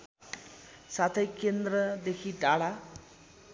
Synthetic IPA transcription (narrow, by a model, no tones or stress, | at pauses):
sat̪ʰʌjkend̪rʌd̪ekʰiɖ̪aɭa